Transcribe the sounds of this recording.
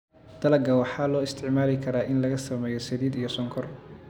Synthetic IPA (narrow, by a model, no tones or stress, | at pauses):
d̪̥ɐlɐɡɐwɑħɑːlɔːɪst̪ʰɪʕmaːlɪkʰɐɾaːʔɪnlɐɣɐsɐmɛːjɔsɛðiːd̪ijɔsɔŋkʰɔr